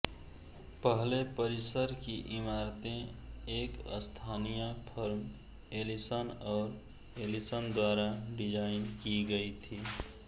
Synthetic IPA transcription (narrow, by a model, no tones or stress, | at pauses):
pəɦlepəɾisəɾkiʔimaɾt̪ẽekə̰st̪ʰanijəpʰəɾm | elisənɔʊɾ | elisənd̪waɾaɖid͡ʒaɪnkiɡəjt̪ʰi